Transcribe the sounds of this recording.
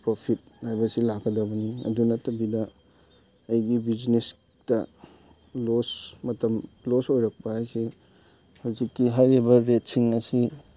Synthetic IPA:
pɾopʰit̚hajbɐsilakːɐdɐbɐniɐ̰dunɐtɐbidɐ | ɐjɡibid͡ʒnes | tɐ | losmɐtɐmlosojɾɐk̚pɐhajse | hawzikːiɦajɾibɐɾet̚siŋɐsi

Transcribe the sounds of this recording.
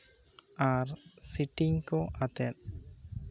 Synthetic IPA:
aɾsiʈiŋkoʔat̪ɛt̚

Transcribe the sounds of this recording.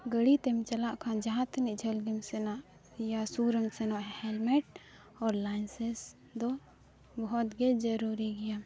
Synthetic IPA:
ɡəɽit̪ɛmt͡ʃɐlaʔkʰãd͡ʒaɦãt̪niʔd͡ʒʱɐlɡimsɛnaʔ | jasuɾəmsɛnaʔhɛlmɛʈ̚ | ɔɾlanses | d̪ɔ | bɔɦɔt̪ɡɛd͡ʒɐɾuɾiɡija

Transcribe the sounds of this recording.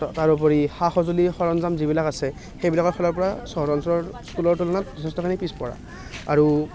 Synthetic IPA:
taɹup̬ɔɹixaxɔzulixɔɹɔnzamzibilakasɛ | xejbilakɔkʰɔlɔɹpɔɹasɔɦɹɔnsɔɹskulɔɹtulɔnat̚zɔtʰɛstɔkʰinipispɔɹa̰ | aɹu

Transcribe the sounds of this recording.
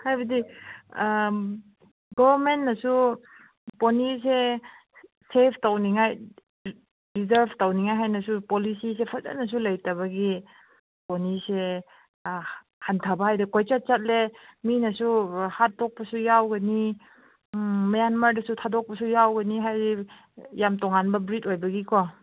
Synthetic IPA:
hajbɐdi | ɡɔbaɾmentnɐsu | ponise | sepʰtawniŋaj | ɾizaɾbtawniŋajɦajnɐsupolisisepʰaza̰nɐs̬ulajtaβɐɡi | ponise | hantʰabaɦajdikojt͡ʃat̚t͡ʃat̚leminasuhat̚ːɔk̚pasujawɡɐni | majanmaɾdɐsutʰadɔk̚pɐsujawɡɐniɦajdi | jamtɔŋanbɐbɾitojbɐɡikʰɔ

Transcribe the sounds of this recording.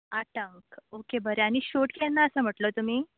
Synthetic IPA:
aʈəŋkokebəɾeañiɕoʈkenːaəsəm̤əʈləːt̪um̤iː

